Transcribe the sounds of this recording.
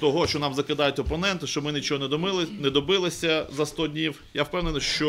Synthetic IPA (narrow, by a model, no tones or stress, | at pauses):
t̪ɔɦɔʃt͡ʃɔnɑmzɐkɪd̪ɑjʊtʲɔpɔnɛnt̪ɪʃt͡ʃɔmɪnʲɪt͡ʃɔɦɔnɛɪnɛd̪ɔbɪlˠɪsʲɐzɐst̪ɔdʲnʲiw | jawpɛwnenɐʃt͡ʃɔ